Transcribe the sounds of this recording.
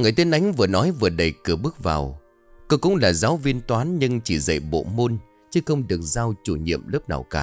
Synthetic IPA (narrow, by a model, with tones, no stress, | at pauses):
ŋɨ˨˩əjt̪i˧˦ənʔa˨˦jŋ̟vɨ˨˩ənɔ˨˦jvɨ˨˩əɗə˨˩jkɨ˧˩əɓɨ˦˥ək̚vaː˨˩w | ko˧kʊ̰˧˥ŋ͡mlaː˨˩zaː˨˦wvi˧ənt̪waː˨˦nɲɨ˧ŋt͡ɕi˧˩zə̰˧˨jɓo̰˧˨mo˧n | t͡ɕɨ˨˦xə˧wŋ͡mɗɨ˨˩ək̚zaː˧wt͡ɕu˧˩ɲḭ˧˨əmlu˦˥p̚na̰ː˨˩wkaː˧˩